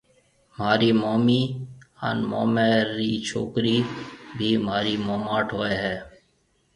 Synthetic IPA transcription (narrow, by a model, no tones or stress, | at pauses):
maːɾiːmoːmiːə̰nmo̰ːmeːɾiːt͡ʃʰo̰ːkɾiːbʱiːmaːɾiːmoːmaːʈʰɦoːeːɦɛː